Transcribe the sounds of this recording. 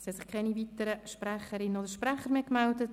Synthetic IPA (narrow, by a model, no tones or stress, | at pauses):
shɛtsɪχkʰɛnivitəɾəʃprɛχəɾɪnodəɾʃpɾɛχəɾmeːkmɛldət